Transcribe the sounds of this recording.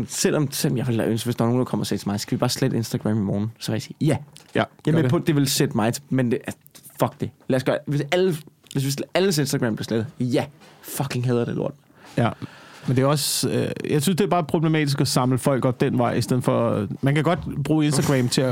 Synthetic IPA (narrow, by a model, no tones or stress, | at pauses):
sel̰ʔɒ̽mselɒmjaɪʋelæʔønsʋesd̥ɑɐno̝ːnd̥ɑkʰɒ̽m̰ɐsḛ̥ːt͡sʰemɑ̈ɪsɡ̥æʋib̥ɑ̈ːsled̥e̝nsd̥æɡ̥ʁæ̰mimɒːnn̩sɒʋejasiːjæjamepʰɔ̽d̥e̝ʋe̝lsed̥əmɑ̈ɪt͡sʰe̥mende | fɒ̽ɡ̥̚d̥e̝læsɡ̥ɶːɐʋesælə | ʋesʋe̝sæləs̬e̝nsd̥ɐɡ̥ʁɛ̰ːmb̥leɐsled̥̩ˠjæfɒ̽kʰe̝ŋɦæðˠɐd̥elo̝ɐ̰d̥ | mend̥e̝æɒ̽søjɑ̈ɪsynsd̥e̝æbɑ̈ːpʰʁo̝b̥lemɛ̰ːd̥isɡ̥ɒsɑ̈mləfɒ̽l̰ɡ̥ɒ̽b̥̚d̥enʋɑ̈ɪisd̥eð̞̰̩ˠfɒmænkʰæɡ̥ɒ̽d̥b̥ʁuːe̝nsd̥ɐɡ̥ʁɛmt͡sʰe̝æ